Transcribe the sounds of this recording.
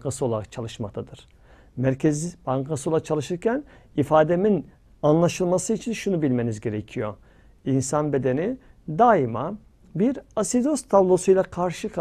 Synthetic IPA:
kʰasɯo̞lˠaakt͡ʃʰalˠɯʃmak̚t̪ʰad̪ɯɾ̥ | mæɾcʰezibaŋkʰasɯo̞lˠat͡ʃʰalˠɯʃɯɾcʰæn | ifaːd̪e̞min | anlˠaʃɯlˠmasɯit͡ʃʰinʃunubilʲme̞nizɟe̞ɾecʰijo | insanbe̞d̪e̞ni | d̪aima | biɾasid̪ost̪ʰablˠo̞sujlˠakʰaɾʃɯk

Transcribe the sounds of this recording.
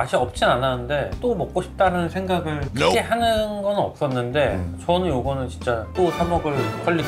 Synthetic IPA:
aɕʰiʌp̚t͡ɕ͈inananɯnde̞t͈omʌk̚k͈oɕʰi̥p̚t͈aɾanɯnsʰe̞ŋɡaɡɯɭkʰeɦanɯnɡʌnɯnʌp̚s͈ʌnːɯnde̞t͡ɕʌnɯnjoɡʌnɯnt͡ɕint͡ɕ͈at͈osʰamʌɡɯɭk͈ʌɭːi

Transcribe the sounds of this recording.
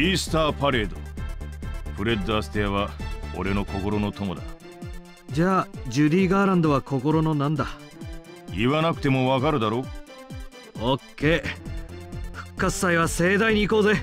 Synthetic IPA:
iːsɨ̥t̪aːpaɾe̞ːd̪o̰ | ɸɯ̟ɾe̞d̪ːoasɨ̥t̪eaβao̞̰ɾe̞no̞ko̞ko̞ɾo̞no̞t̪o̞mo̞d̪a | d͡ʑaːd͡ʑɨɾʲiːɡaːɾãnd̪o̞βakʰo̞ko̞ɾo̞no̞nãnd̪a | iβanakɯ̟t̪e̞mo̞βakaɾɯ̟d̪aɾo̞ː | okʰːe̞ː | ɸɯ̟̥kːat͡sɨ̥saiβase̞ːd̪aiɲ̟iːko̞ːze̞

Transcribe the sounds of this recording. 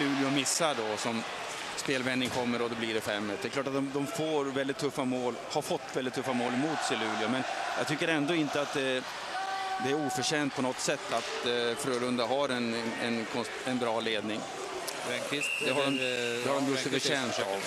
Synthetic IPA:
lʉ̟ːlɪʊmɪsːaɖɔsɔm | speːlvɛnːɪŋkʰɔmːəɾɔd̪ɛbliɖɛfɛmːəd̪ɛkʰlɑːʈat̪̚d̪ɔmd̪ɔmfoːɾvɛld̪ɪt̪ʰːɵfːamoːlhaɾfɔt̪ːvɛldɪt̪ʰːɵfːamoːlmuːt̪sɪlʉ̟ːlɪʊmɛnjɑ̰ɡ̚t̪ʏkːəɾɛnd̪oɪnt̪əat̪̚d̪ɛ | d̪ɛæɾuːfœʂɛːnt̪̚pʰɔnɔt̪ːsɛt̪ːat̪fɾøːlɵnd̪aɦaɾɛnɛnkʰɔ | ɛnbɾɑːleːd̪nɪŋ | ɛkɪsd̪ɛɦaɖɔmd̪ɛhaɖɔmjɵsəfəʂɛːnsav

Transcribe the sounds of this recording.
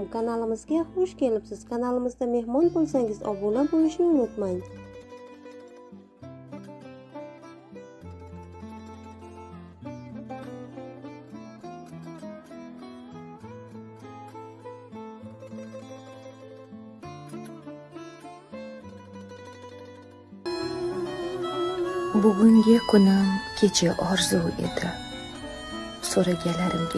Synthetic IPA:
kʰanalɪmɪzɡʲaχoʃkʲʰe̞lɪpsɪz̥kʰanalɪmɪzd̪ame̞hmɒnbolˠsaŋɪzɒ̰bolabojɪʃnɪʊnɪt̪maj | bʊɡʲʊŋɡʲɪkʰʊnɪmkʲʰet͡ʃʰaʔɒɾzuwe̞̰d̪ɪ | soɾaɡʲalaɾɪmɡʲ

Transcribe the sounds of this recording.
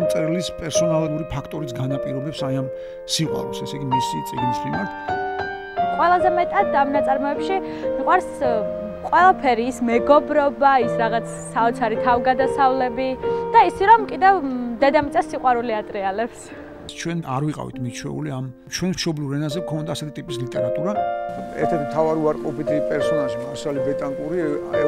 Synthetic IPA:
mt̪sʼɾɛlispʼɛɾsɔnalˠuɾipʰakʰt̪ʼɔɾisɡanapʼiɾɔbɛpsaiam | siqʼwa̰ɾɛpsɛsɛɡimisḭt̪sʼḭɡnisχid̪an | qʼwɛlˠazɛmɛt̪ʼad̪amnat̪sʼaɾmɔɛpʃi | miqʼwaɾs | qʼwɛlˠapʰɛɾiːsmɛɡɔbɾɔbaisɾaʁat̪sʰsaɔt̪sʰaɾit̪ʰavɡad̪asavlɛbid̪̥aisiɾɔmkʼid̪ɛvd̪ɛd̪amit̪sʼasiqʼwaɾuliat̪ʼɾɛalɛps | t͡ʃʰwɛna̰ɾviqʼa̰vḭt̪ʰmit͡ʃʰwɛ̰ṵliam | t͡ʃʰwɛnmʃɔbliuɾɛnazɛkʰɔnd̪aːsɛt̪ʰit̪ʼipʼislit̪ʼɛɾat̪ʼuɾaɛ̰ɾt̪ʰɛt̪mt̪ʰavaɾiuaɾqʼɔpit̪ʰipʼɛɾsɔnaʃimɔsalibɛt̪ʼaŋkʼuɾia

